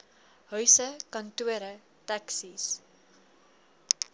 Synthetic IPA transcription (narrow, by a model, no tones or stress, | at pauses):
ɦœɥsəkɐntuəɾə | taksis